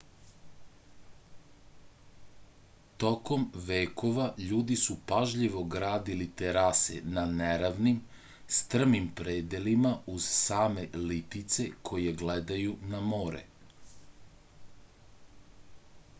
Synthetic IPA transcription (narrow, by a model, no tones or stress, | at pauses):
t̪o̞ko̞mʋeːko̞ʋaʎuːd̪isupaʒʎiʋo̞ɡɾaːd̪ilit̪eɾasḛnaneɾaʋnim | st̪r̩mimpɾeːd̪elimauz̥saːme̞lit̪it̪se̞kʰo̞jeɡled̪ajunamoːɾḛ